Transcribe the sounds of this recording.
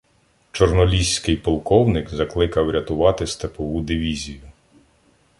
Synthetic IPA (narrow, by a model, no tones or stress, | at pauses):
t͡ʃɔrnɔlʲisʲkɪjpɔlˠkɔwnɪkzɐklˠɪkɐwɾʲɐt̪ʊʋɑt̪ɪst̪ɐpɔʋud̪ɪʋʲizʲijʊ